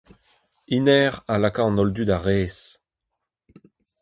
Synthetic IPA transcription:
inɛːʁalakaɑ̃nɔld̪yd̪aʁeːs

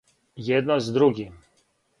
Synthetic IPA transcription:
jɛd̪̚nɔzd̪ɾuɡi

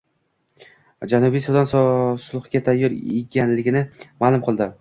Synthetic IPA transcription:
d͡ʒanʊbijsuwd̪anssʊlˠχkʲat̪ʰajːɒɾḛɡʲanlɪɡʲɪnɪmaːlˠʊmqʰɨlˠd̪ɪ

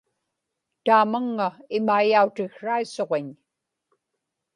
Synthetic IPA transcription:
t̪aːmaŋːaɪmaijaut̪ɪxʂaiso̞ʁeɲ

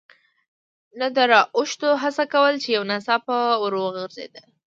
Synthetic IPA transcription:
nad̪əɾɑʔʊʃt̪oɦasakawəlt͡ʃejawnasɑpəwəɾoɣəɾzḛd̪ə

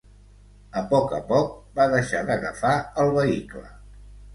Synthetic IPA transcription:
əpɔkə̰pɔk̚baðəʃaðəɣəfaəlˠβəiklə

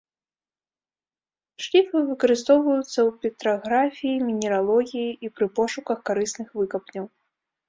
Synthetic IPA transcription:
ʂlʲifɨvɨkɐɾɨst̪ɔwvɐjut̪sːɐwpʲit̪ɾaɣɾafʲijimʲinʲɛɾalˠɔɣʲijiʔipɾɨpɔʂukɐxkaɾɨsnɨxvɨkɐpnʲɐw

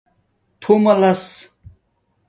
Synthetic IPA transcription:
t̪ʰumɐlɐs

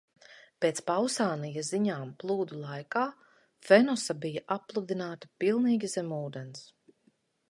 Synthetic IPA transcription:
peːt̪spawsaːnijaziɲaːmplˠuːd̪ulˠajkaː | fɛnɔsabijaʔapːlˠud̪inaːt̪ḁpilˠniːɡʲizɛmuːd̪ɛns

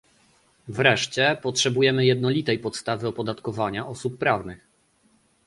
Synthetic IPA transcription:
vɾɛʂt͡ɕɛpɔtʂɛbujɛmɘjɛd̪nɔlʲit̪ɛjpɔt̪st̪avɘɔpɔd̪at̪kɔvaɲaʔɔsupːɾavnɘx

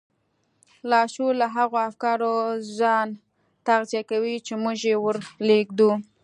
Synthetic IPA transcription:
lɑʃulaɦaɣoafkɑɾozɑn | t̪aɣzjakawit͡ʃemʊʒewəɾleɡd̪u

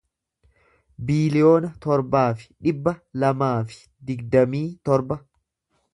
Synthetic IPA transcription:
biːlɪjo̞ːnɐt̪ɔɾbaːfɪ̥ᶑɪbːɐlɐmaːfɪ̥ | d̪ɪɡd̪ɐmiːt̪ɔɾbɐ

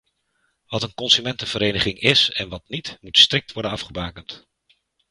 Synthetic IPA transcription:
ʋɑtənkɔnsymɛntəv̥əɾejnəχɪŋɪsɛnʋɑtnitmutstrɪk̚tʋɔɹdənɑfχəbaːkənt

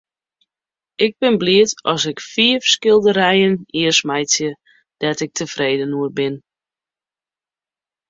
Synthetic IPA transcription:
ʔɪɡ̚bɪnbliətɔsɪkfiəfskɪlˠdəɾɛjəniərsmɛjtjə | d̥ɛtɪk̚tʰəfreːdənuərbɪn

